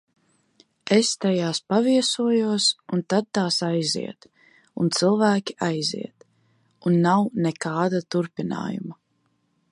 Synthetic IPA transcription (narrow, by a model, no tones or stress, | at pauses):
est̪ajaːspaviɛsuɔjuɔsunt̪ad̪̚t̪aːsajzḭɛt̪ | unt̪silˠvæːkʲiʔajzḭɛt̪ | unːawnɛkaːd̪at̪uɾpina̰ːjṵma